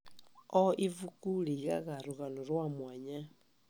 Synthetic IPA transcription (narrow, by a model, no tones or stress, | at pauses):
ɔʔivukuliɣa̰ɣaɾuɣanoɾwamwaɲa